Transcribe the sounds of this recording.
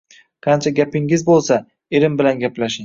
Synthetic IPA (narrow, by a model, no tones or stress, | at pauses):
qʰɑnt͡ʃʰaɡʲapɪŋɪzbolˠsa | eɾɪmbɪlanɡʲaplaʃɪŋ